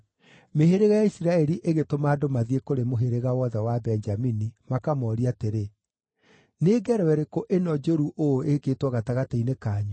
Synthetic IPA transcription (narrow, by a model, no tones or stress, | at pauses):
meɦeɾeɣajaisiɾaɛɾiʔeɣetomaːdomaðiekoɾemoɦeɾeɣawɔðɛwabɛnd͡ʒaminimakamɔɾiateɾe | neːɡɛɾwɛɾekoʔenɔd͡ʒoɾuʔoekeːtwɔɣataɣatainekaːɲu